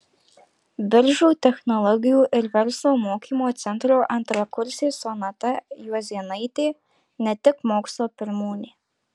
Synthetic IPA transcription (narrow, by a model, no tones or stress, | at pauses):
bʲɪɾʒuːt̪ʲɛxnɔlˠɔɡʲɪjuːʔɪɾvʲɛɾslˠoːmoːkʲiːmoːt̪sʲɛnt̪ɾoːʔɐnt̪ɾɐkʊɾʲsʲeːsɔnɐt̪ɐjuɔzʲiɛnɐjt̪ʲeː | nʲɛt̪ʲɪkmoːkslˠoːpʲɪɾmuːnʲiː